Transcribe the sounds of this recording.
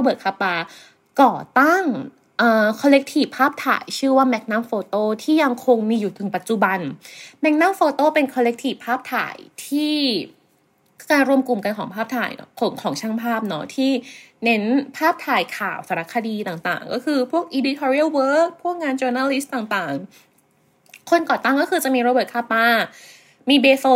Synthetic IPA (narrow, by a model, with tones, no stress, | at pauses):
ɾa˧bɤː˨˩kʰa˧˥paː˧ | kɔː˨˩t̪a˥˩ŋ | ʔɤː˨˩kʰɔ˧le˦˥k̚t̪ʰiː˨˩ppʰːaː˥˩p̚t̪ʰa̰ː˨˩˦jt͡ɕʰɯː˥˩waː˥˩mɛ˦˥k̚na˦˥mfoː˧t̪oː˥˩t̪ʰiː˥˩ja˧ŋkʰo˧ŋmiː˧juː˨˩t̪ʰɯ˨˩˦ŋpa˨˩t̪̚t͡ɕu˨˩ba˧nmɛ˦˥k̚naː˥˩mfoː˧t̪oː˥˩pe˧nkʰɔː˧le˦˥k̚t̪ʰiː˨˩pʰːaː˥˩p̚t̪ʰa̰ː˩˦jt̪ʰiː˥˩ | kaː˧nɾu˧əmku˨˩mka˧nkʰɔː˩˦ŋpʰaː˥˩p̚t̪ʰa̰ː˧˩jɔ̰˥kʰɔ˨˩˦ŋkʰɔː˩˦ŋt͡ɕʰa˥˩ŋpʰaː˥˩p̚nɔ˦˥t̪ʰiː˥˩ne˦˥npʰaː˥˩p̚t̪ʰaː˨˩jkʰaː˨˩wsa˨˧˦ɾa˦˥kʰːa˧diː˧t̪aː˨˩ŋt̪a̰ː˨˩ŋkɔ˥˩kʰɯː˧pʰu˥˩ək̚ʔiː˧di˧t̪ʰɔː˧ɾi˦˥˩wwɤː˦˥k̚pʰu˥˩ək̚ŋaː˧nt͡ɕɤ˧naː˧li˦˥st̪aː˨˩ŋt̪aː˨˩ŋ | kʰo˧nkɔː˨˩t̪aː˥˩ŋkɔː˥˩kʰɯː˧t͡ɕa˨˩ʔmiː˧ɾa˧bɤː˨˩kʰaː˥˩paː˧ | miː˧beː˧so˧˦